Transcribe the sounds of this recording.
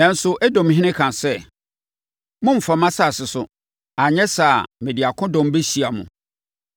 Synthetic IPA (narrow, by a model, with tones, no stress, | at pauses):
nã˨n̩˦sʊ˦ʔɛ˦dɔ̃˨m˦ɦɪ̃˦nɪ̃˦kʰã˨sɛ˦˨ | mʊ̃˦m̩˨fa˨mã˦sa˨sɪ˨sʊ˨ | a˨ɲɛ̃˦saː˨mɪ̃˨di˨a˨kʰʊ̃˦dɔ̃˨m˦be˦ɕi˨a˨mʊ̰̃˨